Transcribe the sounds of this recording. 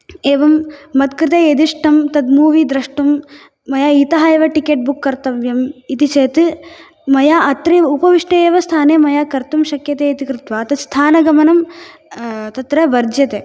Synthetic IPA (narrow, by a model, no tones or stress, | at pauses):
eːʋɐmːɐt̪̚kɾɪt̪ejed̪iʂʈɐmt̪ɐd̪muːʋiːd̪ɾɐʂʈumː | ɐjaːit̪ɐɦɐeːʋɐʈikeːʈ̚bukːɐɾt̪ɐʋjɐmit̪it͡ʃeːt̪ɨ | mɐjaːʔɐt̪ɾiupɐʋiʂʈɐeːʋɐst̪ʰaːneːmɐjaːkɐɾt̪umʃɐkjɐt̪eːɐt̪ikɾɪt̪ʋaːt̪ɐst̪ʰaːnɐɡɐmɐnɐm | t̪ɐt̪ɾɐʋɐɾd͡ʒjɐt̪eː